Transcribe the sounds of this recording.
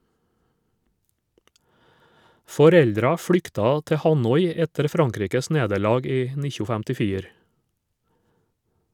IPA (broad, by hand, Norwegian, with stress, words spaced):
fɔˈɾɛldɾɑ ˈfɽʏktɑ ˈtɛ ˈhɑnɔʏ ˈɛtəɾ ˈfɾɑŋˌkɾiːkəs ˈneːdəɾˌlɑːɡ ˈiː ˈnɪçʊ fɛmtɪˈfiːɾ